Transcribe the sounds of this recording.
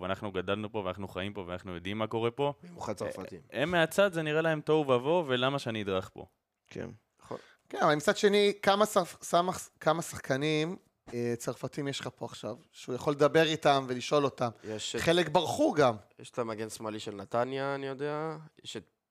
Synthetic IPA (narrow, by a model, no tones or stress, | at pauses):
veanaχnuɡadalnupo̞veanaχnuχaimpo̞veanaχnujod̪imːako̞ʁepo̞emuχat͡safatḭmemːeat͡sad̪zeniʁelaemt̪o̞vvavo̞ve̞lamaʃeaniid̪ʁaχpo̰ | kʰḛn | o | kenavalmit͡sad̪ʃe̞nikamasasamaχkamasaχkʰanim | et͡saʁfatimjeʃχapo̞aχʃav | ʃeujaχo̞lːed̪abe̞ʁitamve̞liʃʔo̞lo̞tamjeʃχelekbaʁχuɡamjeʃt̪amaɡensmaliʃelnat̪anjaːnijo̞d̪eajeʃe